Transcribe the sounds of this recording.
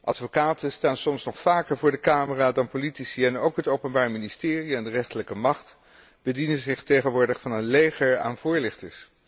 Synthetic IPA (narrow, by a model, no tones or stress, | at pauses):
ʔɑ̰tfokaːtənstaːnsɔmsnɔχfaːkəɹvʊːɹdəkaːməraːdɑnpolitisiɛnowkɦətowpənbaːɹministɪːriɛndərɛχtələkəmɑχt | b̥ədinənzɪχtejχənʋʊːɹdəχfɑnənlejχəɹa̰ːnvʊːɹlɪχtəs